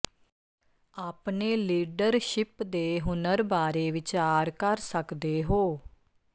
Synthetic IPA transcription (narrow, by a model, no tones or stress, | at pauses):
aːpneːliːɖəɾʃɪpd̪eːɦʊnəɾbaːɾeːʋɪt͡ʃaːɾkəɾsəkd̪eːɦoː